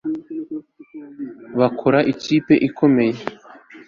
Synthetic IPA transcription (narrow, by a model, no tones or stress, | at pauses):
βakʰoɾaʔiciːpe̞ʔikʰo̞me̞je